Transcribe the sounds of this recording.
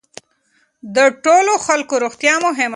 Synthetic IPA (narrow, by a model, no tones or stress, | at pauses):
d̪əʈoloxalkoɾoxt̪jɑmʊɦɪm